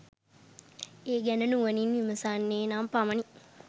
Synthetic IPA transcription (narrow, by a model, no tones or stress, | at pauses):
eːɡɛnənuʋəninʋimɐsaːnːeːnampamɐni